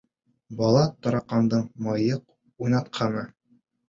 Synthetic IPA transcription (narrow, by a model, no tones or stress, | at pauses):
bɒlˠɑt̪ɒ̆ɾɑqɑnd̪ɤɴmɑjɤq̚ | ujnɑt̪qʰɑnɤ